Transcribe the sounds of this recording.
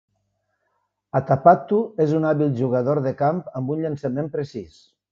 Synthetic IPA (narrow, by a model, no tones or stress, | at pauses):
at̪apat̪uezunaβilˠʒuɣəðoɾðəkampəmbunʎənsəmempɾesis